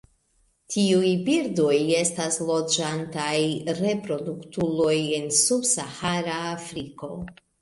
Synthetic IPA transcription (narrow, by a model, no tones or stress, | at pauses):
tʰiujbiɾdo̞je̞staslo̞d͡ʒantajɾe̞pɾo̞duktulo̞je̞nsubsahaɾaːfɾiko̞̰